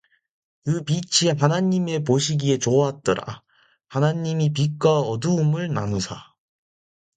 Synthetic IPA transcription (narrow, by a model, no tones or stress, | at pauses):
kɯpit͡ɕʰiɦanaɲːime̞poɕʰiɡie̞t͡ɕoaɦat̚t͈ʌɾa̰ | hanaɲːimip̬ik͈aʌdɯɯmɯɭnanusʰa